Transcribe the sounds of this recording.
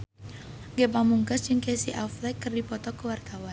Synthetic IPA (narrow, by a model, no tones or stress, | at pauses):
ɡɛpamuŋkasd͡ʒɨŋkesiʔaflɛkːɨrdipɔt̪ɔkəwart̪awan